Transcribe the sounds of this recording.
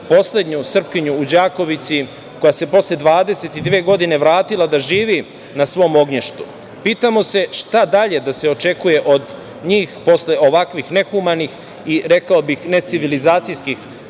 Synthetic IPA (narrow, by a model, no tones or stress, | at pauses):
po̞sle̞d̪ɲusr̩pkiɲuːd͡ʑaːko̞ʋit̪si | ko̞jase̞po̞sle̞d̪ʋaːd̪e̞se̞t̪id̪ʋeːɡo̞d̪ine̞ʋɾaːt̪ilad̪aʒiːʋi | nasʋo̞mo̞ɡɲeʃt̪ṵ | piːt̪amo̞se̞ʃt̪ad̪aʎe̞d̪ase̞o̞t͡ʃe̞kuje̞ʔo̞d̪ | ɲiːxpo̞sle̞o̞ʋakʋixne̞xumanix | iɾe̞kaobixne̞t̪siʋilizaːt̪sijskix